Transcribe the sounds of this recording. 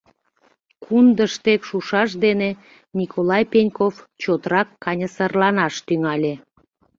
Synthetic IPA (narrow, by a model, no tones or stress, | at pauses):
kʰund̪əʃt̪ekʃuʃɑʃd̪ene | nʲikʰolɑjpenʲkoft͡ɕot̪ɾɑkːɑnʲəsərlɑnɑʃt̪yŋɑlʲe